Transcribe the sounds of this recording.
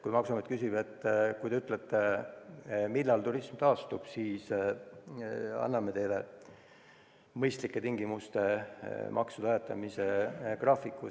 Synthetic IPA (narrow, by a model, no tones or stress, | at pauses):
kujmɑksumet̪̚kysibet̪ːˑkujd̪eyt̪ːˑlet̪ːe | milːɑlt̪urismt̪ɑːst̪ub̥siːs | ɑ̰nːɑme̞t̪ejle | mɤjst̪likːe̞t̪iŋɡimust̪e̞mʔɑ̰ksud̪ɑet̪ːˑɑmise̞krɑːfikːˑu